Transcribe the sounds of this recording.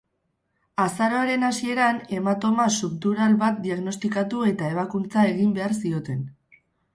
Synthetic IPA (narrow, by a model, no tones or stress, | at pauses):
asaɾoaɾe̞nasie̞ɾane̞mat̪o̞masupt̪uɾalβat̪̚d̪iaɣno̞st̪ikat̪ue̞t̪ae̞β̞akunt͡sae̞ɣimbe̞aɾsio̞t̪e̞n